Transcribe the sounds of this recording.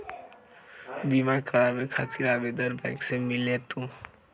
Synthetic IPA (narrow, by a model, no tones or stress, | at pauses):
bimakəɾabekʰat̪iɾabed̪əɾbajksemilet̪ũ